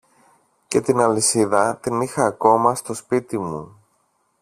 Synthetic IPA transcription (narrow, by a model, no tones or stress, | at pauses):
ce̞t̪inɐlisiðɐt̪inixɐːko̞mɐst̪o̞spit̪imṵ